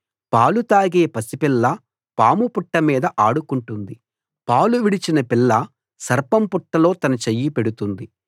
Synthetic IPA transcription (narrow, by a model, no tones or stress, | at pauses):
paːlut̪aːɡe̞ːpɐsipilːɐ | paːmupuʈːɐmiːd̪ɐʔaːɽukuɳʈund̪i | paːluʋiɽit͡ʃinɐpilːɐ | sɐɾpɐmpuʈːɐlo̞ːt̪ɐnɐt͡ʃɐjːipe̞ɽut̪und̪i